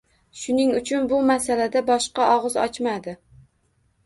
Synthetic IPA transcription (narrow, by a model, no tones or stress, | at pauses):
ʃʊnɪŋʊt͡ʃʰʊnbʊmasalad̪abɒʃqɑʔɒʁɨzɒ̰t͡ʃmad̪ɪ